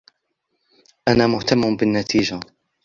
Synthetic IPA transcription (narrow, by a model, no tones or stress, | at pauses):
ʔanaːmʊht̪amːʊbɪnːat̪ʰiːd͡ʒa